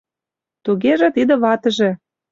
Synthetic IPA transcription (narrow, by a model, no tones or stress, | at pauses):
t̪uɣeʒĕt̪id̪ə̆βɑt̪ə̆ʒĕ